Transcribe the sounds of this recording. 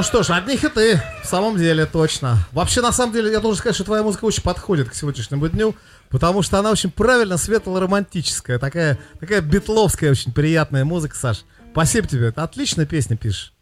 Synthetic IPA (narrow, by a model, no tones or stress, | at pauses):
ʂt̪oʂɐd̪ʲnʲixɨt̪ɨfsaməmdʲelʲɪt̪ot͡ɕnəvɐpɕːenɐsaməmdʲelʲɪjad̪olˠʐənkɐtʲʃʂt̪ot̪vɐjamuzɨkəot͡ɕɪnʲpɐt̪xo̞dʲɪt̪ksʲɪvʲodʲnʲɪʂnʲɪmʊd̪ʲnʲu | pət̪ɐmuʂt̪oɐnao̞t͡ɕɪnʲpɾavʲɪlʲnəsvʲe̞t̪əlˠəɾəmɐnʲtʲit͡ɕɪ̥skəjət̪ɐkajət̪ɐkajəbʲɪt̪lˠo̞fskəjəot͡ɕɪnʲpɾʲɪjat̪̚nəjəmuzɨkə̥saʂ | spɐsʲibətʲɪbʲet̪ɐt̪lʲit͡ɕnəjəpʲesʲnʲɪpʲiʂʂ